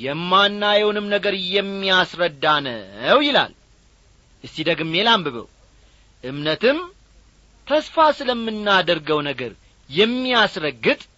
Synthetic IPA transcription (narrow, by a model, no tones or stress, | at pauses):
jɛmːanːajɛwnɨmnəɡəɾjɛmːiasɾəd̪ːanə̰wjɪla̰l | ʔɨsːid̪əɡɨmːelambɨβə̰w | ʔɨmnət̪ɨm | t̪ʰəsfasɨləmːɨnːad̪əɾɡəwnəɡəɾ | jɛmːiasɾəɡːɨt̪ʼ